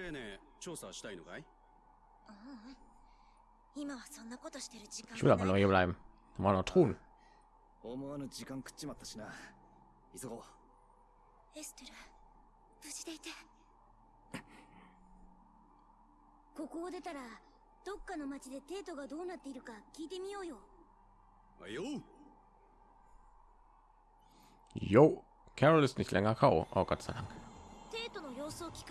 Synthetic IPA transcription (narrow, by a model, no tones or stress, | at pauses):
ɾene | t͡ɕo̞ːsaɕi̥t̪ainoɡai | a | imaβasõ̞nːako̞t̪o̞ɕi̥t̪e̞ɾɯ̟d͡ʑikãsuɾaanokajeβɾaem | manot̪ʰon | omoanod͡ʑikãŋkɯ̟̥t͡ɕːimat̪ːḁɕina | isoɡo | esɨ̥t̪oɾa | b̥ɯt͡ɕi̥d̪e̞it̪e | ko̞ko̞ːd̪e̞t̪aɾa | d̪̥o̞kːano̞mat͡ɕid̪e̞t̪e̞ːt̪o̞ɡad̪o̞ːnat̪ːe̞iɾɯ̟kakʲiːt̪e̞mʲijo̞ːjo̞ | a̰jo | jo | kʲʰaɾolisɨniçila̰ŋakʰao̰ʔa̰kat͡sɨ̥sa̰ɾã̰ŋat̪e̞ːt̪o̞no̞jo̞ːsoːkʲi̥k